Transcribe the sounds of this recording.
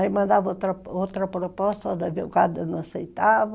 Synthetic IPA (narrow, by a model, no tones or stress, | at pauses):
aimɐ̃nd̪avot̪ɾɐowt̪ɾɐpɾopɔst̪ɐd̪ɐvekad̪ɐnɐ̃ɐsejt̪av